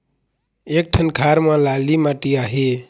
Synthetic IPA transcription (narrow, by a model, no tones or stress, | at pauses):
ek̚ʈʰənkʰaɾmalalimaʈiaɦe